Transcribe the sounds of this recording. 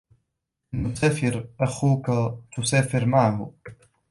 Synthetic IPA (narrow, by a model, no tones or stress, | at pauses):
nʊsaːfɪɾʔaxuːkat̪ʊsaːfɪɾmaʕhʊ